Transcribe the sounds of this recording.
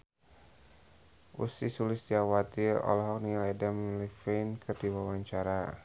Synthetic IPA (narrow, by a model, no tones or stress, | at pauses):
ʔṵsisulɪsd̪iawat̪iɔ̰lɔɦɔk̚nialɛdamlifejnkʰɨrdiwawaɲt͡ʃaɾa